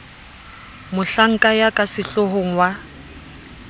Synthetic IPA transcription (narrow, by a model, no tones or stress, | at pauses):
mʊɬaŋ̩kʼajakʼasɪɬoɦoŋ̩wa